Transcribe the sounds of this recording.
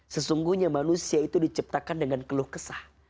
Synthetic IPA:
səsuŋɡuhɲamanusiait̪udit͡ʃip̚t̪akandəŋankəlʊhkəsah

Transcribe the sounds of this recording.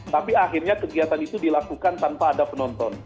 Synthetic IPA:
t̪apiaɦirɲakəɡiat̪anit̪udilakukant̪anpaːdapənɔnt̪ɔn

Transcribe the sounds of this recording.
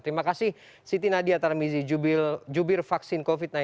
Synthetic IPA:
t̪əɾimakasɪh | sit̪inadiat̪aɾmizid͡ʒubd͡ʒubɪrfaksɪnkofit̪̚na

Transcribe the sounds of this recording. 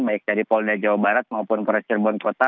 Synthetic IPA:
baɪk̚daɾipɔldad͡ʒawabaɾat̪̚maupʊnpɾɛst͡ʃərbɔnkot̪a

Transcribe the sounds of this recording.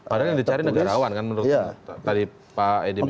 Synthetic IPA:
padaladit͡ʃaɾinəɡaɾawankanmənɾʊt̪t̪adi | paedi

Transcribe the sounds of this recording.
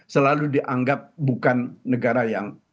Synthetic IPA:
səlaludiʔaŋɡap̚bukanːəɡaɾajaŋ

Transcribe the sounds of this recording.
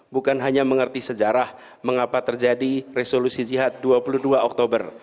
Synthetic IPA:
bukanɦaɲaməŋərt̪isəd͡ʒaɾah | məŋapat̪ərd͡ʒadiresolusid͡ʒiɦat̪̚duapuluhduaɔk̚t̪obər

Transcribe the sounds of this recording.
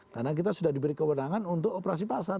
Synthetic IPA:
karnak̬it̪asudahdibəɾikəwənaŋanunt̪ʊk̚opəɾas̬ipasar

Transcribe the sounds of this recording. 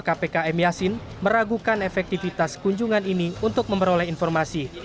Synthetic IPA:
kapekaɛmjasin | məɾaɡukanefɛk̚t̪ifit̪askuɲd͡ʒuŋaniniunt̪ʊk̚məmpəɾolɛhinfɔrmasi

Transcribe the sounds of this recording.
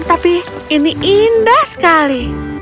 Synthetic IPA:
t̪api | iniʔindahsə̥kali

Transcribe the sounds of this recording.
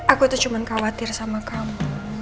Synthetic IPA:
ʔakuit̪ut͡ʃumankawat̪ɪrsamakamu

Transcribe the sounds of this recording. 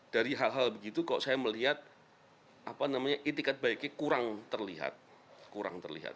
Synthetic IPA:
d̥aɾiɦalɦalbəɡit̪ukalo̰ʔsajaməliɦat̪̚ | ʔapanamaɲaʔet̪ikat̪̚baikekuɾaŋt̪ərliɦa̰t̪̚ | kuɾa̰ŋt̪ərlḭɦa̰t̪̚

